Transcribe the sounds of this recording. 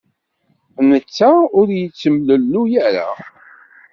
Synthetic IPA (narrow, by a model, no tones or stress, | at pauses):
nət͡sːaʊɾjət͡sːəmləlːujəɾa̰